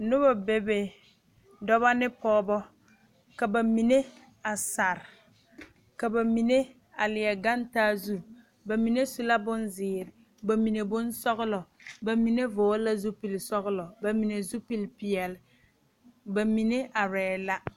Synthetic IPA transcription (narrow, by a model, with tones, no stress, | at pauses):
nʊ˦ba˨be˨be˨ | dɔ˦βa˦nɪ˦pɔː˦bɔ˦ | ka˨ba˨mi˨ne˦ | a˨sa˨ɾ | ka˨ba˨mi˨ne˦ | a˨lɪ˨jɛ˨ɡa˦ntaː˦zu˦ | ba˨mi˨ne˦su˦la˦bʊ˦nzɪː˨ɾɪ˨ | ba˨mi˨ne˨bʊ˦nsɔ˦ɣʊ˦lɔ˨ba˨mi˨ne˦vʊː˨˦la˦zu˦pi˨lsɔ˦ɣʊ˦lɔ˨ba˨mi˨ne˨zu˦pi˦˨lpi˨ɛ˨lɪ˨ | ba˨mi˨ne˦ʔa˨ɾɛː˨la˦